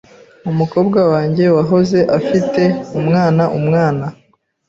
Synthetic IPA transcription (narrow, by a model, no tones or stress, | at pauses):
umuko̞ːbɡawaːɲɟe̞waɦo̞ze̞ʔafite̞umŋaːnaʔumŋaːna